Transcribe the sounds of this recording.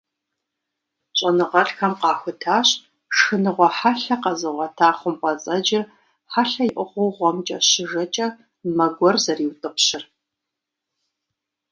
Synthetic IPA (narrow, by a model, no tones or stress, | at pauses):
ɕʼɐnɨʁɐɬxɐmqɑːxʷʊtʰaːɕ | ʂɨnɨʁʷɔħaɬɐqɐzɨʁʷɔtʰaːχʷʊmqʼɐt͡sʼɐd͡ʒɪr | ħaɬɐjɪʔʷʊχʷʊwʁʷɔmt͡ʃʼɐ̰ɕɪʒɐt͡ʃʼɐ | mɐɡʷɔrzɐriːwtʼɨpɕɪr